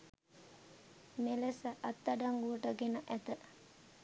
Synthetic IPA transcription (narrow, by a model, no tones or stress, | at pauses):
melesəʔɐt̪ːaɖaŋɡuʈəɡenəʔæt̪ə